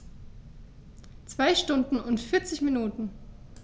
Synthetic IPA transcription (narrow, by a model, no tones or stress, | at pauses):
t͡sv̥aɪʃtʊndn̩ʊntfɪɐt͡sɪçminuːtn̩